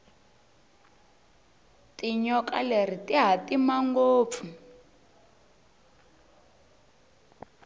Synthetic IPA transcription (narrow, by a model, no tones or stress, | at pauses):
tiɲɔka̰ler̤itiɦatimaŋɡoːp̪fu